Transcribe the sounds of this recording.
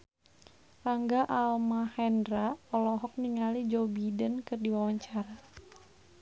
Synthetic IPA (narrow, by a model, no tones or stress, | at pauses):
laŋɡaʔalmahɛndɾaɔlɔɦɔk̚niŋalid͡ʒɔbidənkɨrdiwawaɲt͡ʃaɾa